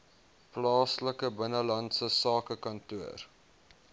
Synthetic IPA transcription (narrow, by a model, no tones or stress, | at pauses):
plɑːsləkəbənəlɐntsəsɑːkəkɐntuər